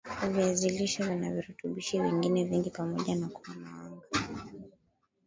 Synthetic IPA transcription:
aviaziliʃavanaviɾutuɓiʃiviŋɡinɛviŋɡipamɔʄanakuwanawaŋɡa

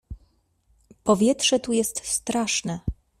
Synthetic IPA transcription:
pɔvʲjɛt̪ʂɛt̪ujɛst̪st̪ɾaʂnɛ

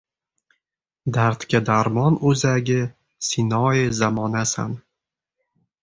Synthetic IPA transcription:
d̪aɾt̪kʲʰad̪aɾmɒnɵzaɡʲɪ | sɪnɒjɪzamɒnasa̰n

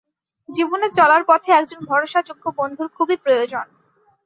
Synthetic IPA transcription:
d͡ʑibonet͡ɕɔlaɾpɔt̪ʰeɛk̚d͡ʑonbʱɔɾoʃad͡ʑoɡʰʱːobond̪ʱuɾkʰubipɾojod͡ʑon

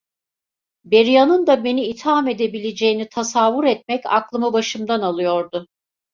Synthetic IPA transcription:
beɾijanɯnd̪abe̞niːt̪hame̞d̪e̞bilʲe̞d͡ʒejinit̪ʰasavuɾɛt̪̚mɛca̰klˠɯmɯbaʃɯmd̪analˠɯjo̞ɾd̪ʊ

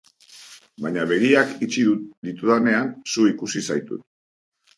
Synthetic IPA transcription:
baɲaβe̞ɣ̞iakit͡ʃiðud̪it̪uðane̞ansuikusisajt̪ṵt̪

